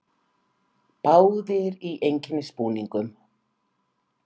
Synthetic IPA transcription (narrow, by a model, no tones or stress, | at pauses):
paːwðɪɾiʔejɲcɪnɪspuːniŋkʏm